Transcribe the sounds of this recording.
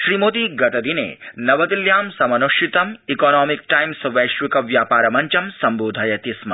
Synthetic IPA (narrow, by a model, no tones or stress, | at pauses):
ʃɾimoːt̪iɡɐʈ̪ɐd̪inḛːnɐʋɐd̪iljaːmsɐmɐnuʃit̪ɐmikɔːnɔːmik̚ʈajmsʋɐjʃʋikɐʋjaːpaːɾɐmɐɲt͡ʃɐmsɐmboːd̪ʱajɐt̪ismɐ̰